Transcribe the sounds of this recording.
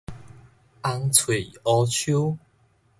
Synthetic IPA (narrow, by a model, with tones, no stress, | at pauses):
a˧ŋt͡sʰwe˨˩ɔ˧t͡ɕʰju˦